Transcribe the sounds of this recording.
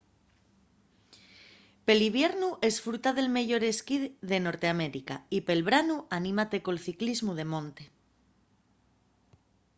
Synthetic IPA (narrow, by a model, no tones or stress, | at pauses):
pe̞liβ̞je̞ɾnuʔe̞sfɾut̪aðe̞lme̞ʝo̞ɾe̞skiðe̞no̞ɾt̪eame̞ɾika̰ipe̞lβɾanuanĩmat̪e̞ko̞lθiklizmuðe̞mõ̞nt̪e̞